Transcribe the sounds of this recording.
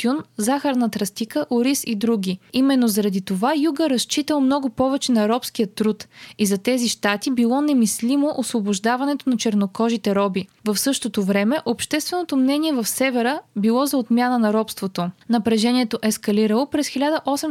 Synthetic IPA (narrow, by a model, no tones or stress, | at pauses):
tunzaxɐɾnɐt̪ɾɐst̪ikəʔoɾisid̪ɾuɡʲiimɛnːozɐɾɐd̪it̪ovajuɡəɾɐst͡ʃit̪əlˠmnɔɡopɔvɛt͡ʃɛnɐɾɔpsk̟ijət̪ːɾut̪izɐt̪ɛziʃt̪at̪ibilˠɔnɛmislimoʔosvoboʒd̪avɐnɛt̪onɐt͡ʃɛɾnokɔʒit̪ɛɾɔbivɐfsɤʃt̪ot̪ovɾɛmɛʔopʃt̪ɛst̪vɛnot̪omnɛniɛvɐfsɛvɛɾəbilˠɔzɐot̪mʲjanənɐɾɔpst̪vot̪onɐpɾɛʒɛniɛt̪oʔɛskɐliɾəlˠopɾɛsxilʲad̪əʔɔsɛm